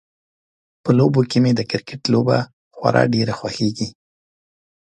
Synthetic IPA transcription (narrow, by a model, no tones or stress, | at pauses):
pəlobokemed̪əkɪɾkɪʈloba̰ | xwa̰ɾʔɑ̰ɖeɾaxwaxeɡi